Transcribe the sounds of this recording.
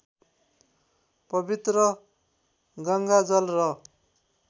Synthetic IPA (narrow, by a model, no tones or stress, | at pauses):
pʌbit̪rʌ | ɡʌŋɡad͡zʌlrʌ